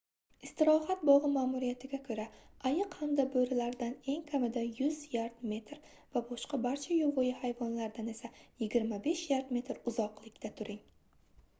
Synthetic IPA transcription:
ɪst̪ɪɾɒhat̪̚bɒʁɨmaːmuɾijat̪ʰɪɡʲakʰɵɾaajɨqhamd̪abɵɾɪlaɾd̪ane̞ŋkʲʰamɪd̪ajʊzjaɾd̪me̞t̪ɾ | vabɒʃqɑbaɾt͡ʃʰajovojɪhajvɒnlaɾd̪ane̞sajɪɡʲɪɾmabe̞ʃjaɾd̪me̞t̪ɾʊzɒqlˠɪkʲt̪ʰat̪ʰʊɾɪŋ

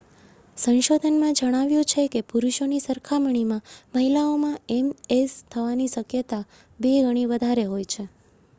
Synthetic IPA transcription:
sə̃nʃod̪ʱənmãd͡ʒəɽ̃aʋjũt͡ʃʰekepuɾuʃonisəɾkʰaməɳ̃imãməɦilaomãemest̪ʰəʋaniʃəkjət̪a | beɡəɽ̃iʋəd̪ʱaɾeɦojt͡ʃʰe

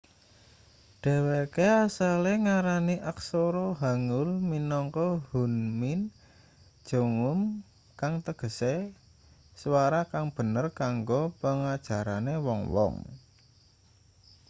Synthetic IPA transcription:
ɖ̥ɛ̤wekeasaleŋaɾaniʔaksoɾoɦaŋʊlminɔŋkɔhunmɪn̥ | ʒ̥o̤ŋʊm | kaŋt̪əɡ̥ə̤se | swaɾakaŋb̥ə̤nərkaŋɡopəŋad̥ʒ̥ä̤ɾanewɔŋwɔ̰ŋ

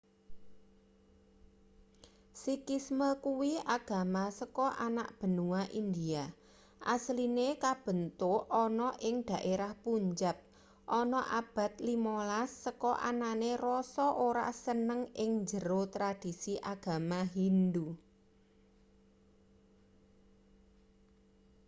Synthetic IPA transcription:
sikisməkuwiaɡ̥a̤masəkɔʔana̰ʔb̥ə̤nuwaʔind̪ia | ʔaslinekab̥ə̤nt̪oʔɔnɔʔɪŋd̪̥a̤ʔeɾahpuɲd͡ʒap̚ | ʔɔnɔʔab̥a̤t̪limolasːəkɔʔa̰nanerɔsɔʔoɾa̰sənəŋɪŋd͡ʒəɾot̪ɾad̥i̤siʔaɡ̥a̤maɦind̪u

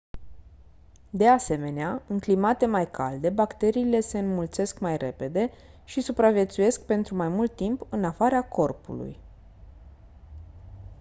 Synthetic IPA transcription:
d̪e̞ase̞me̞neaɨŋklimat̪e̞majkʰa̰ld̪e̞bakt̪e̞ɾiːle̞se̞ɨnmult̪se̞skmajrʔe̞pe̞d̪e̞ | ʃisupɾavje̞t̪suje̞sk̚pe̞nt̪ɾumajmult̪ːimpɨnafaɾako̞rpṵlṵj

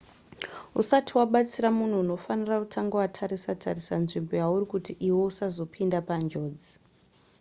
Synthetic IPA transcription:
usatʰiwaɓat͡siramun̤uːno̞fanirautʰaŋɡawatʰaɾisatʰarisanʐimbo̞jaurikutiʔiwo̞usazo̞pʰindapand͡ʒo̞ːd͡zi

